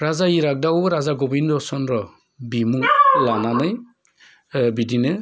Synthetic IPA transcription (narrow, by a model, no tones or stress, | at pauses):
ɾazaiɾak̚dawɔɾazaɡɔbindɔsɔnɾɔ | bimuŋlananɯj | bidinɯ